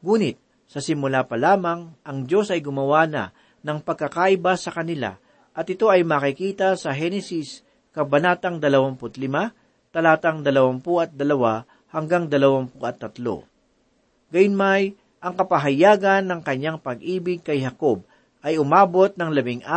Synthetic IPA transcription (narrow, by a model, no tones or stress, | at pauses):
ŋuːnɪt̪̚ | sɐsɪmʊlapɐlaːmɐŋʔɐŋd͡ʒo̞sʔɐjɡʊmɐwaːnɐ̰ | nɐŋpɐɡ̚kːɐkaʔɪbasɐkɐnɪla̰ | ʔɐt̪ʔɪt̪o̞ɐjmakɪkiːt̪ɐsɐɦɛnɛsis | kɐbɐnaːt̪ɐŋd̪ɐlɐwaŋpʊt̪lɪma | t̪ɐlaːt̪ɐŋd̪ɐlɐwampuʔɐt̪̚d̪ɐlɐwa | hɐŋɡaŋd̪ɐlɐwampuʔɐt̪ːɐt̪lo̞̰ | ɡɐjʊnmaj | ʔɐŋkɐpɐɦɐjaːɡɐnːɐŋkɐɲːaŋpɐɡʔiːbɪɡ̚kɐjhɐko̞b̚ | ʔɐjʊmaːbo̞t̪̚nɐŋlɐbɪŋʔa